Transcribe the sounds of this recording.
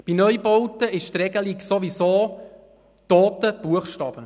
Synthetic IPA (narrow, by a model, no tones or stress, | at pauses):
b̥inœjbɔwtəʔɪʃt̪rɛɡəliksoʋisoː | t̪oːtəb̥uəχʃtɑːb̥ə